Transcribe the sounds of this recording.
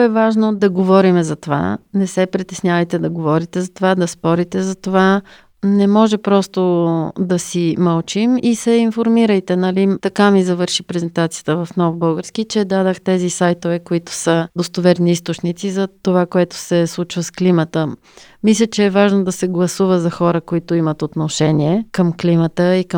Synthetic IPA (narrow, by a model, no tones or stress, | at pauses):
ɛvaʒnod̪ɐɡovɔɾimɛzɐt̪ova̰nɛsɛpɾit̪ɛsnʲjavəjt̪ɛd̪ɐɡovɔɾit̪ɛzɐt̪ovad̪ɐspɔɾit̪ɛzɐt̪ova | nɛmɔʒɛpɾɔst̪od̪ɐsimɐlˠt͡ʃimisɛinfoɾmiɾəjt̪ɛnɐlit̪ɐkamizɐvəɾʃipɾɛzɛnt̪at̪sijət̪əvɐfnɔvbɤlˠɡəɾskit͡ʃɛd̪ad̪əxt̪ɛzisajt̪ovɛkoit̪ʊ̥səd̪ost̪ovɛɾniist̪ot͡ʃnit̪sizɐt̪ovakoɛt̪ʊ̥sɛslˠut͡ʃvəsklimət̪ə | mislʲət͡ʃɛːvaʒnod̪ɐsɛɡlˠɐsuvəzɐxɔɾəkoit̪oimət̪ot̪noʃɛniɛkəmklimət̪əikə